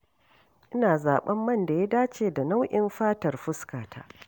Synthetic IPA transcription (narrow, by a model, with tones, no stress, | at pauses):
ʔɪ˦naː˨zaː˨ɓɐ˦mːɐ˦˨nda˨ja˦daː˦t͡ʃeː˨da˨na˦wʔɪ˦mɸaː˦tɐ˨rɸʊ˦skaː˨tʰa̰ː˦